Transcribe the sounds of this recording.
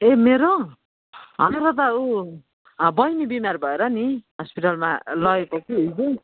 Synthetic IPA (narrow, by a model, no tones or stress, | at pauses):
emeɾo | ɦʌ̰neɾʌt̪̬ʌu | bʌjnibimarbʱʌeɾʌniɦʌspiʈalma̰lʌekokiɦid͡zu